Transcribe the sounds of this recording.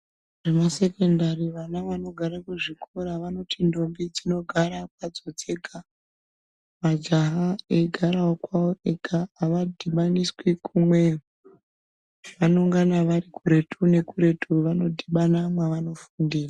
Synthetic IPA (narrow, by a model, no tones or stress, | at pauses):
ʐemase̞ke̞ndariʋanaʋano̞ɡʱaɾakuʐikʰoɾaʋano̞tʰindo̞mbid͡zino̞ɡʱaɾak̚ad͡zo̞d͡ze̞ɡʱa | mad͡ʒaɦaeɡʱaɾaokwaoʔekʰaːʋadʱiɓaniswikʰumweru | ʋano̞ŋɡanaʋaɾikuɾe̞tʰune̞kuɾe̞tʰuʋano̞dʱiɓanamwaʋano̞fundiːra